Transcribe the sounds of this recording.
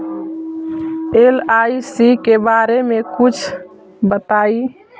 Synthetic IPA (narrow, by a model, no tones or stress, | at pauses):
elajsikebaɾemekut͡ʃʰ | bət̪ai